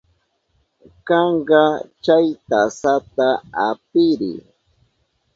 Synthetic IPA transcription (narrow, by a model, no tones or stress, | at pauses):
kɑɴɢɑt͡ʃajt̪asat̪aap̚ɪɾɪ̰